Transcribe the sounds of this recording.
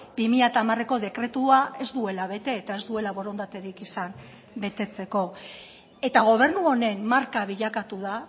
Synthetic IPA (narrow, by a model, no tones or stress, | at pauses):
b̥imiʎat̪aːmare̞ko̞ðe̞kɾe̞t̪uae̞zd̪ue̞laβ̞e̞t̪e̞ːt̪aezd̪ue̞laβo̞ɾo̞nd̪at̪e̞ɾikisam | be̞t̪e̞t͡se̞ko̞ | e̞t̪aɣ̞o̞β̞e̞ɾnuo̞ne̞mːaɾkaβ̞iʎakat̪uða